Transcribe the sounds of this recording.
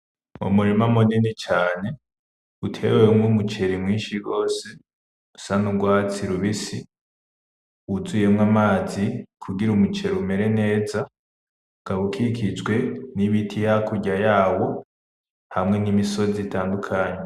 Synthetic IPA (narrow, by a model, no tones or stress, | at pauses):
mo̰muɾimamoninit͡ʃaːne̞ | utʰe̞̰wewemŋumut͡ʃe̞ɾimŋiːnʃiɡo̞ːse | usanuɡwaːt͡siɾuβisi | wuzuje̞mŋamaːzikʰuɡiɾumut͡ʃe̞ɾume̞ɾe̞ne̞ːza | ɡ̥aβukʰikʰid͡ʒɡwe̞niβitʰijakuɟajaːwo̞ | hamŋe̞nimiso̞zitaːndukʰaːɲe